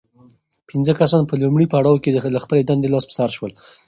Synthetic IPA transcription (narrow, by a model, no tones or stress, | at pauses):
pʰinzəkasɑnpəlumɽipaɽɑwkelaxpəled̪and̪elɑspə̥saɾʃwəl